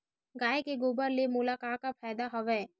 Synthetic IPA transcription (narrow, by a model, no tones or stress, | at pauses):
ɡaːekeɡoːbəɾlemʊlaːkaːkapʰɛːd̪aɦɐʋɛː